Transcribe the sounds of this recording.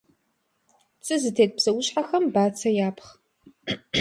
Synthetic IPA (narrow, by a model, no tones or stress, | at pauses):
t͡sʼɨzɨtʰeːt̚bz̥ɐwʊɕħaxɐmbaːt͡sʰɐjaːpʰχ